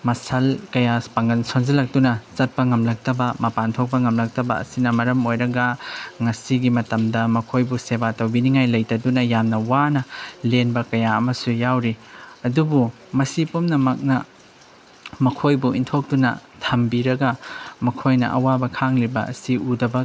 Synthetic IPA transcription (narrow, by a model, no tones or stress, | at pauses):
mɐsɐlkɐjaspaŋɐlsonzɐlɐk̚tunɐt͡ʃɐt̚pɐŋɐmlɐk̚tɐbɐmɐpantʰok̚pɐŋɐmlɐk̚tɐbɐ̰ɐ̰sinɐmɐɾɐmojɾɐɡɐŋɐsiɡimɐtɐmdɐmɐkʰojbusebatɐwbiniŋajlɐjtɐdunɐjamnɐwanɐlenbɐkɐjaɐmɐsujawɾiɐdubu | mɐsipumnɐmak̚nɐ | mɐkʰojbuintʰok̚tunɐ̰tʰɐmbiɾɐɡɐmɐkʰojnɐ̰ʔɐ̰wabɐkʰaŋlibɐ̰ɐ̰siudɐbɐ